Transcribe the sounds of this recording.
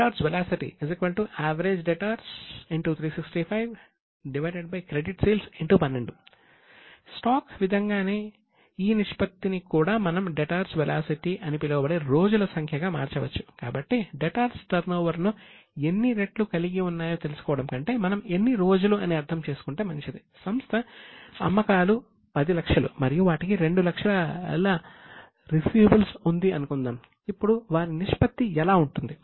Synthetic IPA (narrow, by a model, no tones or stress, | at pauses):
ʈaːɾsʋelaːsiʈḭizikbɐlʈuʔaːʋɐɾe̞ːd͡ʒɖeʈaːɾsiɳʈut̪ʰɾiːsiksʈipʰɐjʋ | ɖiʋɐjɖeɖ̚bɐjkɾeɖiʈsiːlsiɳʈupɐnːeɳɖu | sʈaːkʋid̪ʱɐŋɡaːne̞ː | iːniʂpɐt̪ːinikuːɽaːmɐnɐmɖeʈaːɾsʋɛlʔaːsiʈiʔɐnipilɐʋɐbɐɽeːɾo̞ːd͡ʒulɐsɐŋkʰjɐɡaːma̰ːɾt͡ʃɐʋɐt͡ʃːu̥ka̰ːbɐʈːiɖeʈaːɾsʈɐɾnɐːʋɐɾnue̞nːiɾe̞ʈlukɐliɡiunːaːjo̞ːt̪e̞lusu̥kɔːʋɐɽɐmkɐɳʈe̞ːmɐnɐme̞nːiɾo̞ːd͡ʒuluɐniɐɾt̪ʰɐmt͡ʃe̞ːsu̥kuɳʈe̞ːmɐnt͡ʃid̪isɐmst̪ʰɐɐ̰mːɐkaːlu | pɐd̪ilɐkʂɐlṵmɐɾijuʋaːʈikiɾe̞ɳɖulɐkʂɐlɐla | ɾifjjuːbɐlsund̪iɐnukund̪aːm | ipːuɽuʋaːɾiniʂpɐt̪ːiɛlaːuɳʈund̪i